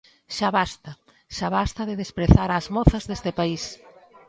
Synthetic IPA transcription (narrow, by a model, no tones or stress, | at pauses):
ʃaβast̪ɐ | ʃaβast̪ɐðɪðespɾeθaɾazmɔθɐzðest̪ɪpais